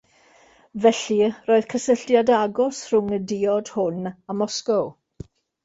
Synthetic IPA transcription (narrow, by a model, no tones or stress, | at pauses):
vɛɬiroːɨð̥kʰəsəɬtjadaɡɔsr̥ʊŋədiɔd̥hʊnamɔskɔw